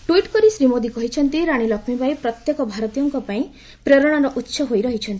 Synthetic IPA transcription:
ʈuiʈkɔɾisɾimod̪ikɔɦit͡ʃʰɔnt̪iɾaɽ̃ilɔkʰmibajpɾɔt̪jekɔbʱaɾɔt̪ijɔŋkɔpaĩ | pɾeɾɔɽ̃aɾɔʔutːʃʰɔɦojɾɔɦit͡ʃʰɔnt̪i̥

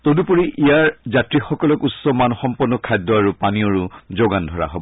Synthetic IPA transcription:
todupoɹiʔijaɹzatɹixɔkɔlɔkutsɔmanxɔmpɔnːɔkʰːajdɔaɹupanioɹuzoɡandʱɔɹa̰ɦob

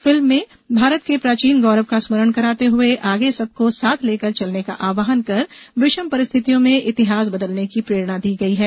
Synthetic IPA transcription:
fɪlmːẽ | bʱaːɾət̪kepɾaːt͡ʃiːnɡɔːɾəʋkasməɾəɳ̃kɐɾaːt̪eɦʊeʔaːɡesɐb̚kosaːt̪ʰleːkəɾt͡ʃɐlneka̰ʔaːʋaːɦənkɐɾbɪʃəmpɐɾɪst̪ʰɪt̪ijõmẽʔɪt̪ɪɦaːs̬bɐd̪əlnekipɾeːɾɽ̃ad̪iːɡɐiɦɛː

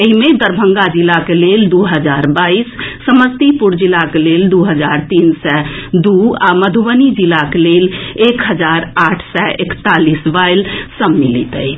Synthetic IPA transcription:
eɦimed̪əɾbʱə̃ŋɡad͡ʒilːakeleld̪uɦəd͡ʒaːɾbaːisːəməst̪ipuɾd͡ʒilakeleːld̪uɦəd͡ʒaːɾt̪iːnsɛd̪uaməd̪ʱuʋənid͡ʒilakeleleːkɦəd͡ʒaɾaːʈʰsɛʔekt̪alisʋaɪlsəmːilḭt̪ə̰i

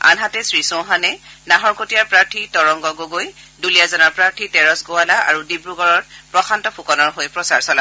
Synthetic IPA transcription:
a̰nɦatɛsɹisõɦanɛnaɦɔɹkotijaɹpɹaɹtʰitɔɹɔŋɡɔɡoɡojdulijazɔnaɹpɹaɹtʰitɛɹɔsɡowalaʔaɹudibɹuɡɔɹɔt̚pɹɔxʰantɔpʰukɔnɔɹɦojpɹɔsaɹsɔla

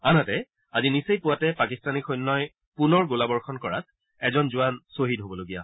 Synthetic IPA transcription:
anatɛ | azinisejpʊatɛpakistanikɔjnːɔj | punɔɹɡolabɔɹkʰɔnkɔɹa̰t̚ | ɛzɔnzʊansoɦidɦobɔloɡija̰

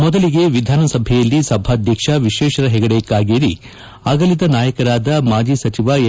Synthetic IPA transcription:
mɔd̪ɐliɡe̞ʋid̪ʱaːnɐsɐbʱɛjɐlːisɐbʱaːd̪ʱjɐkʂɐʋiʃɛːʃɐɾɐɦɛɡɐɽɛjɐkːaːɡeːɾi | aɡɐlit̪ɐnaːjɐkɐɾaːd̪ɐmaːd͡ʒiːsɐt͡ʃiʋa

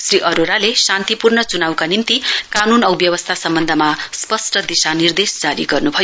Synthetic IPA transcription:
sriʔʌɾoɾalesant̪ipurnʌt͡sunawkanint̪ikanunʌubjʌβʌst̪ʰasʌmbʌnd̪ʱʌmaspʌsʈʌd̪isanird̪esd͡zaɾiɡʌrnubʱʌjo

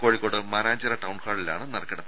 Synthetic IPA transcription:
koːɻikːoːɽɨmɐnaːd͡ʑɐɾɐʈɐwɳhaːɽila̰ːɳɨnɐrɐkːɐɽɐm

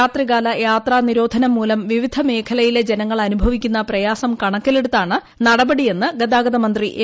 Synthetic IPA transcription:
aːt̪riɣaːlɐjaːt̪raːniɾo̞ːd̪ʱɐnɐmːuːlɐmʋiʋid̪ʱɐme̞ːkʰɐlɐjiled͡ʑenɐŋːɐɭɐnubʱɐʋikʲːunːɐprɐjaːsɐmkɐɳɐkːɐle̞ɽut̪ːaːɳɨ | nɐɽɐbɐɽije̞nːɨɡɐd̪aːɡɐðɐmɐnd̪riʔ

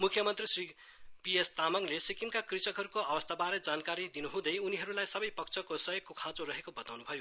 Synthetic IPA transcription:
mukʰːjʌmʌnt̪risri | pijest̪amʌŋlesikimkakrit͡sʌkɦʌɾukoabʌst̪ʰabaɾʌd͡zankaɾid̪inuɦũd̪ʌjuniɦʌɾulajsʌbʌjpʌk̚t͡sʰʌkosʌjeɡkokʰãt͡soɾʌɦekobʌt̪awnubʱʌjo

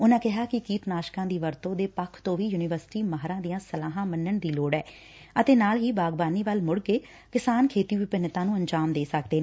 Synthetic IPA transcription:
ʊnãːkɪɦaːkɪkiːt̪naːʃkãːd̪iːʋəɾt̪õːd̪eːpəkʰt̪õːʋiːjuːnɪʋəɾsɪ̥ʈiːməɦɾãːd̪ijãːsəlaːɦãːmənːəɳd̪iːloːɽɛː | ət̪eːnaːlɦiːbaːɡbaːniːʋəlmʊɽkeː | kɪsaːnkʰeːt̪iːʋɪpənɪt̪ãːnũːəɲd͡ʒaːmd̪eːsək̚d̪eː

